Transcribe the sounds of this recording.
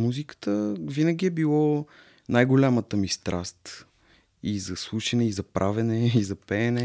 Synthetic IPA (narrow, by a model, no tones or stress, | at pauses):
muzikə̥t̪əvinəɡʲiɛbilˠɔ | najɡolʲamət̪əmist̪ɾʔast̪ | izɐslˠuʃɐnɛizɐpɾʔavɛnɛizɐpɛːnɛ